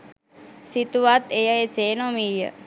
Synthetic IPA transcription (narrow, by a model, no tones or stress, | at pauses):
sit̪uʋat̪ejaeseːnomiːjə̰